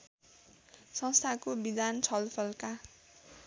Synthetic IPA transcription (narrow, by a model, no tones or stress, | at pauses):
sʌ̃st̪ʰakobid̪ant͡sʰʌlpʰʌlka